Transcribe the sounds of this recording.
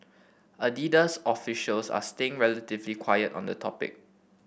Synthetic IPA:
ədidəsɔfiʃəlsa̰steɪ̃ŋɹɛlətɪvlikʰwajətɔ̰̃ndətʰɔpɪ̰k̚

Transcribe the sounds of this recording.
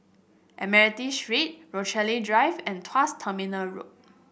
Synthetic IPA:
ʔɛmɛɹitiʃɹet̚ɹot͡ʃɛlidɹajvɛ̃ntʰwastʰəminəlɹo̰p̚

